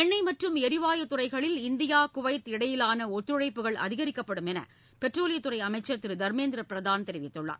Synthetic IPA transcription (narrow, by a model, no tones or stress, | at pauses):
ɛɳːɐɪmɐʈrɯmɛɾɪʋaːjɐt̪ʊrɐɪɣɐɭɪlɪnd̪ɪjaːkʊʋɐɪt̪ɪɽɐjɪlaːnɐɔt̪ːɾɯɻɐɪpːɯɣɐɭʔɐ̰ðɪɣɐɾɪkːɐpːɐɽɯmɛnɐ̰ | pɛʈroːlɪjɐt̪ːʊrɐɪɐmɐɪt͡ʃːɐt̪ːɪɾd̪ɐɾmeːnd̪ɪɾɐpɪɾɐðaːnt̪ɛɾɪʋɪt̪ːɯɭːa̰ːɾ